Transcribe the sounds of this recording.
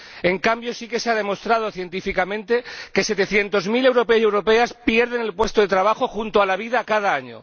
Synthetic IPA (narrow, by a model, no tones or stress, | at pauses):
eŋkambjo̞sike̞seaðe̞mo̞st̪ɾað̞oθje̞nt̪ifikamẽ̞nt̪e̞ke̞se̞t̪e̞θje̞nt̪o̞zmile̞wɾo̞peoe̞wɾope̞aspje̞ɾð̞e̞ne̞lpwe̞st̪oðet̪ɾaβ̞axo̞xunt̪oalaβ̞iðakað̞aaɲo̰